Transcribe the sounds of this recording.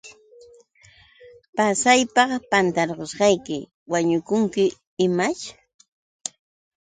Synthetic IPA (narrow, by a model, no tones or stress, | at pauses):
pasajpɑχpant̪aɾɢosɢɑjkɪ | waɲʊkʊŋkɪ | ɪmat͡ʃ